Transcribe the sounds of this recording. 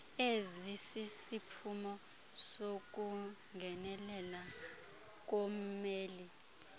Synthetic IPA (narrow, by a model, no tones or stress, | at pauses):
ezisisipʰumɔ | sok̬ʼu | ŋɡʱɛnɛlɛla | k̬om̩meːli